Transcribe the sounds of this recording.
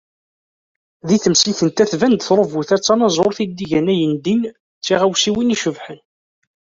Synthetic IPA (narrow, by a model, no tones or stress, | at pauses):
ðiθəmsiθənt̪æθvænd̪θɾˤəvuθæt͡sːɑnɑzˤoɾθid̪ːiʝænæjənd̪in | t͡sːiʁæwsiwiniʃəvħən